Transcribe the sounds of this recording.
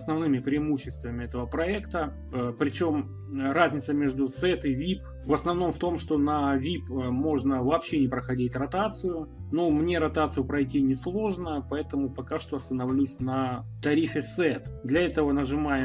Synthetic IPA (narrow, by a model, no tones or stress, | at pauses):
snɐvnɨmʲɪpɾʲɪɪmuɕːɪst̪vəmʲɪɛt̪əvəpɾɐɛkt̪ə | pɾʲɪt͡ɕo̞m | razʲnʲɪt̪səmʲeʐd̪ʊsɛt̪ɨvʲip̚ | vəsnɐvno̞mft̪o̞mʂt̪o̞nɐvʲipmo̞ʐnəvɐːpɕːenʲɪpɾəxɐdʲitʲrɐt̪at̪sɨjʊnomnʲe̞ɾɐt̪at̪sɨjʊpɾɐjtʲinʲɪslˠo̞ʐnəpɐɛt̪əmʊpɐkaʂt̪o̞ɐst̪ənɐvlʲusʲnət̪ɐɾʲifʲɪsɛt̪d̪lʲɐɛt̪əvənəʐɨmajɪ